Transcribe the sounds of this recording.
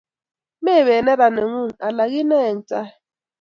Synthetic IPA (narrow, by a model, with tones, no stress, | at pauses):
me˦˨βɛ˨nɛ˦ɾa˨ne˨ŋu˦˨ŋa˨la˨ɣ̬i˦nɛ˦˨n̩˨t͡sʼa˦